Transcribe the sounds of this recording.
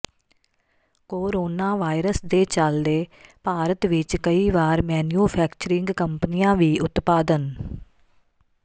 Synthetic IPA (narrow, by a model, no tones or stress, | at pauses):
koːɾoːnaːʋaːiɾəsd̪eːt͡ʃəld̪eːpaːɾət̪ʋɪt͡ʃkəiːʋaːɾmɛːnjuːpʰɛːkt͡ʃəɾɪ̃ŋɡkəmpəniːãːʋiːʊt̪paːd̪ən